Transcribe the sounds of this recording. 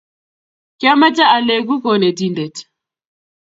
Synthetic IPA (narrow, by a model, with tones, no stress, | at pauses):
kja˦ma˦t͡ʃa˦a˨lɛ˨ɡu˦kɔ˨nɛ˨di˨ndɛ˨t